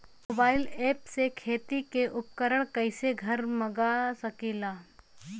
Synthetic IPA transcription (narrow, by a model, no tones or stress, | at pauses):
moːbaːɪleːpsekʰeːt̪ikeʔʊp̚kəɾəɽ̃kɐɪseɡʱɐɾmɐɡasɐkiːlaː